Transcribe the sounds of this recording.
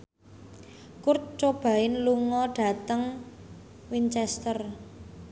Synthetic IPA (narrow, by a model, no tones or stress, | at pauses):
kurt̪̚t͡ʃob̥ä̤ɪnluŋɔɖ̥ä̤t̪əŋ | wint͡ʃɛst̪ər